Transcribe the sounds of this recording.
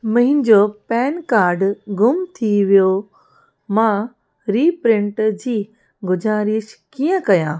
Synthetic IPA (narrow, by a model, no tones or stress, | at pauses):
mɐ̃ɦɪ̃nɪd͡ʑopɛːnkaːɾɖɡʊmt̪ʰiʋijo | mã | ɾiːpɾɪ̃ɳʈd͡ʑiː | ɡʊd͡ʑaːɾiəʃkijə̃kɐjãː